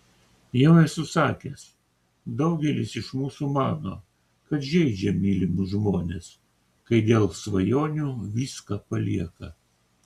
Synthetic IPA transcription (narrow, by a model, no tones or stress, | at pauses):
jɛʊɛsʊsɑːkʲes | d̪ɐʊɡʲɛlʲɪsɪʃmuːsumɑːnoː | kɐt̪ʒʲɛɪd͡ʒʲɛmʲiːlʲɪmuʒmoːnʲeːs | kɐɪd̪ʲeːlˠsʋɐjoːnʲuːʋʲiːskɐpɐlʲḭɛkɐ